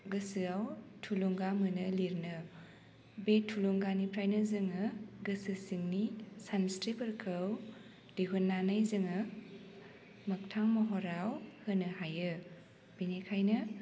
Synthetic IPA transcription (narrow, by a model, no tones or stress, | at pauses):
ɡɯsɯawtʰuloŋɡamɯnɯliɾnɯ | betʰuloŋɡanipʰɾajnɐzɯŋɯɡɯsɯsiŋnisanstɾipɯɾkʰɯw | d̥iɦunːanajzɯŋɯ | mɐk̚tʰaŋmɔɦɔɾawhɯnɯhajɯ | b̥inekʰajnɯ